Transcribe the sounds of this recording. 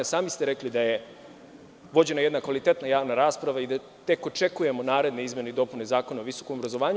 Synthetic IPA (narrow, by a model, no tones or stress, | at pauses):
saːmist̪eɾe̞klid̪aje̞ | ʋo̞d͡ʑe̞najed̪nakʋalit̪e̞t̪najaːʋnaɾaːspɾaʋaid̪a | t̪e̞ko̞t͡ʃe̞kuje̞mo̞naːɾe̞d̪ne̞izmje̞neid̪o̞pune̞zaːko̞naoʋiso̞kombɾazo̞ʋaːɲ